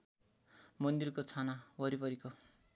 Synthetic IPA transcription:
mʌnd̪irkot͡sʰanawʌɾipʌɾiko

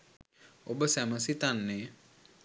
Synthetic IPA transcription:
obəsæməsit̪anːe

